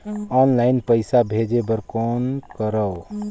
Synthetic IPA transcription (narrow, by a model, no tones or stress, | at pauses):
ɔnlaɪnpəɪsabʱed͡ʒebəɾkonkəɾəw